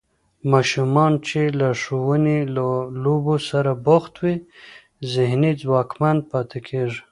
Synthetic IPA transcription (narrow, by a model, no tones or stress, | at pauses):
mɑʃumɑnt͡ʃelaʂowənelalobosaɾaboxt̪wi | zɪhnid͡zwɑkmanpɑt̪ekʰeʐ